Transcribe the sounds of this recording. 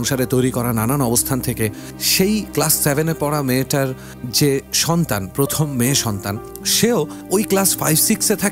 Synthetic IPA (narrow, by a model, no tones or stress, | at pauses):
ŋʃaɾet̪ojɾikɔɾaɾnananɔbost̪ʰant̪ʰeke | ʃejklasːebʱenepɔɽameʈaɾ | d͡ʑeʃɔnt̪anpɾot̪ʰomːeːʃɔnt̪an | ʃeo | ojklasfajbsikset̪ʰak